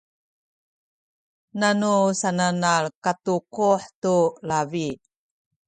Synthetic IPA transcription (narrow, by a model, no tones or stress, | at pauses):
nanusananaɭkatuquħtulavi